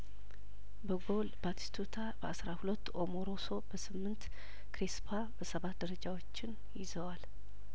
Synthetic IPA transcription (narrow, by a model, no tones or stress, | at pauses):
bəɡolbat̪ʰi̥st̪ʰut̪ʰabəʔasɾahulət̪ːomoɾoso̞bəsɨmːɨnt̪ | kɾispʰabəsəβat̪̚d̪əɾəd͡ʒawo̞t͡ʃːɪn | jɪzəwal